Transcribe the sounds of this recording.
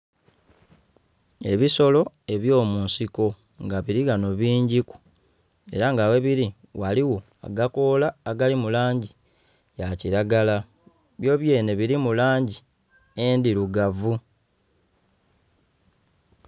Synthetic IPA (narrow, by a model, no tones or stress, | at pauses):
e̞̰βiso̞lo̞ | e̞βjo̞ːmuːnsiko̞ | ŋɡaβiɾiɡano̞βiːɲɟiku̥ | e̞̰ɾaŋɡawe̞βiɾi | waliwo̞ | a̰ɡako̞laːɡalimulaːɲɟi | jaciɾaɡala | βjo̞ːβje̞ːne̞βiɾimulaːɲɟi | endiɾuɡavu